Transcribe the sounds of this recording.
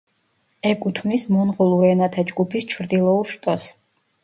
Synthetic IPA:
ɛkʼut̪ʰmnismɔnʁɔlˠuɾɛnat̪ʰad͡ʒɡupʰist͡ʃʰɾd̪ilˠɔuɾʃt̪ʼɔs

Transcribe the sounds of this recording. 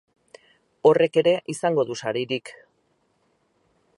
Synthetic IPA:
o̞re̞ke̞ɾe̞ʔisaŋɡo̞ðusaɾiɾik

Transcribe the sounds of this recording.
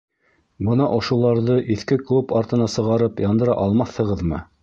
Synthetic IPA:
bɤnɑʔŏʃulˠɑɾðɤʔiθkɘklˠupɑɾt̪ɤ̆nɑsɤ̆ʁɑɾɤpjɑnd̪ɤ̆ɾɑ̰ʔɑlˠmɑθhɤ̆ʁɤðmɤ̰

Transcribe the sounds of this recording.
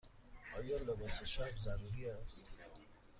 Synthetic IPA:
ɔːjɔːlebɔseʃafzaɾuɾiast̪

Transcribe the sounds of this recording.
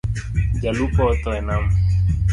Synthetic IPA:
d͡ʒalupɔt̪ɔɛnam

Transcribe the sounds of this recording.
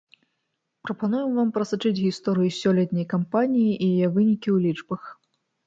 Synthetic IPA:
pɾɐpanujɛmvampɾɐsat͡ʂɨd͡zʲɣʲist̪ɔɾɨjusʲɔlʲɛt̪ʲnʲɐjkampanʲijiʔijajɛvɨnʲikʲiwlʲit͡ʂbɐx

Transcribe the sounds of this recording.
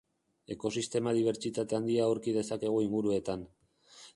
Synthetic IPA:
e̞ko̞sist̪e̞maðiβ̞e̞ɾt͡ʃit̪at̪e̞and̪iawɾkið̞e̞sake̞ɣ̞uiŋɡuɾue̞t̪an

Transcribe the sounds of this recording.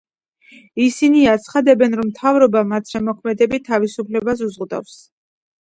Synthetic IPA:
isiniat̪sʰχad̪ɛbɛnɾɔmt̪ʰavɾɔbamat̪sʰʃɛmɔkʰmɛd̪ɛbit̪ʰavisupʰlɛbas̬uzʁd̪a̰fs

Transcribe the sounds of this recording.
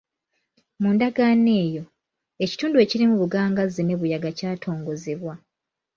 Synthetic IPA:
muːndaɡaːne̞ːjo̞ | e̞ci̥tuːndue̞ːciɾimuβuɡaːŋɡazene̞βujaɡacaːtʰo̞ːŋɡo̞zeβwa

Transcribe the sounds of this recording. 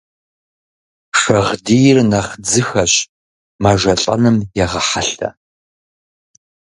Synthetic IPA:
ʂɐʁdijɪrnɐχd͡zɨxɐɕ | maʒɐɬʼɐ̰nɨmjɛʁɐħaɬɐ̰

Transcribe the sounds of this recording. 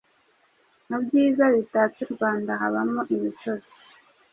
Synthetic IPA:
nabɟiːzaβitaːt͡suɾɡwaːndaɦaβamoʔimiso̞zi̥

